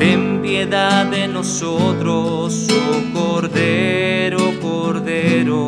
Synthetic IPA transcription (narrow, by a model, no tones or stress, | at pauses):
empjeðaðenosot̪ɾo | sukoɾðeɾokoɾðeɾo